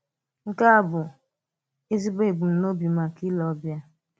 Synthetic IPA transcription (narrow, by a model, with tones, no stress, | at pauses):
ŋ̩˦ka˦a˨bʊ˨ | e˦zi˦be˦˨ɡ͡bu˨n̩˨no˦bi˨ma˨ki˦lɔ˨˦bja˦